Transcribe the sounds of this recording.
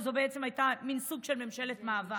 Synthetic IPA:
zobeet͡se̞majtaminsuɡʃe̞lme̞mʃe̞letmaːva

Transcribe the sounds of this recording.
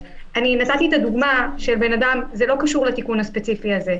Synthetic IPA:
ʔaninat̪at̪iet̪ad̪uɡmaʃelbe̞nad̪amzelo̞kaʃuʁlet̪ikunhaspe̞t͡sifiaze̞

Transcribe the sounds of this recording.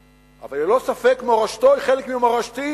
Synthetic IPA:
ʔa̰valelosafekmeoʁaʃt̪ojχelekmimaʁaʃt̪i

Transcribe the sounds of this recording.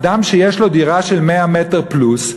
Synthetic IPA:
d̪amʃejeʃlo̞d̪iʁaʃe̞lmeameteʁplus

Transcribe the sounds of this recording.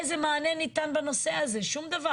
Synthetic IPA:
zemaːnenit̪anbano̞seazeʃumd̪ava

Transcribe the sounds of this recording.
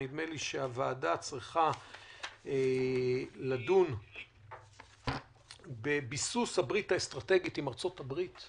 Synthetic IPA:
id̪meliʃeavaːdat͡sʁiχa | e | ladun | bebisushabʁitaest̪ʁate̞ɡitimaʁt͡so̞tabʁit̪

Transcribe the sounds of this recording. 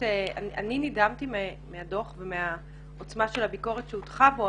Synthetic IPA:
ea̰a̰ninidamtimemeado̞χvemea | ot͡smaʃe̞labiko̞ʁetʃeutχavo

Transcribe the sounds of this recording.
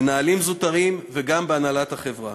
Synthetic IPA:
naːlimzut̪aʁimveɡambeanalat̪haχevʁa

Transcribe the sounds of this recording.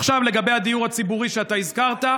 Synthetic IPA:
χʃavle̞ɡabe̞jhad̪ijuʁhat͡sibuʁiʃeat̪aizkaʁt̪a

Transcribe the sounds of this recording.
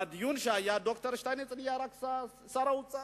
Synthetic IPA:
d̪junʃajaɖɔkt̪əɾʃt̪anet͡sʼnjaɾaksa | saɾaut͡sʼa

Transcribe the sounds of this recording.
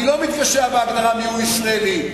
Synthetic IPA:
ilomit̪vaʃeabeaɡd̪aʁamiuisʁaeli

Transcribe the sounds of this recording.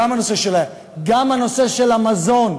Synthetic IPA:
amhanose̞ʃel | ɡamhano̞se̞ʃelamazo̞n

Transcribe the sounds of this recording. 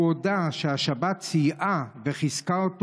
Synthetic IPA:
od̪aʃehaʃabat̪t͡sijʔaveχizkaot̪

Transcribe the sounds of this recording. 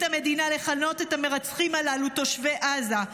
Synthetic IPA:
tame̞dinale̞χano̞te̞tame̞ʁat͡sχimalaluto̞ʃve̞ʔaza

